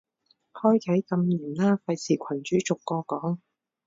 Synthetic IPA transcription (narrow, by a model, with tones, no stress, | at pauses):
hɔː˥jkʰɐ˨˥jkɐ˧mjiː˨˩nlaː˥fɐ˧jt͡sʰiː˨˩kʷʰɐ˨˩nt͡ʃyː˨˥t͡sʊ˨kːɔː˧kɔː˨˥ŋ